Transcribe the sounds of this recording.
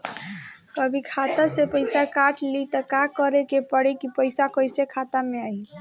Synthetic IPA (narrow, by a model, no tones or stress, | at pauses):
kəbʱikʰat̪asepəjsakaʈʰlit̪əkakəɾekepəɽekipəjsakəjsekʰat̪ameaj